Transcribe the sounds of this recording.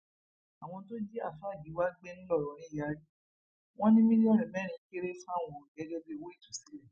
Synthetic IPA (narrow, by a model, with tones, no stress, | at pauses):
a˨w̃ɔ̃˧to˦d͡ʒi˦a̰˦˨fa˦˨ɡi˨˦wa˦ɡ͡be˦nĩ˦lɔ˦˨ɾɔ˨˦ɾ̃ĩ˨˦˨ja˨˦ɾi˦ | w̃ɔ̃˦nĩ˦mĩ˦li˦a˦ɾĩ˨bɛ˦˨ɾ̃ĩ˨˦ke˦ɾe˦fa˦˨w̃ɔ̃˨ɡɛ˨˦d͡ʒɛ˧be˧˦˨wo˨˦i˦˨tu˨si˨˦lɛ˦˨